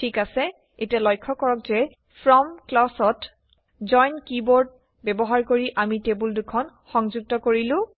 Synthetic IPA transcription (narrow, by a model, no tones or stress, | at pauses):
tʰikasɛ | etialɔjkʰːɔkɔɹɔkzɛ | pʰɹɔmklɔsɔt | zɔjnkibɔɹd̚ | bɛbɔɦaɹkoɹiʔamitebuldukʰɔn | xɔŋzuɡ̚tɔkoɹilʊ̃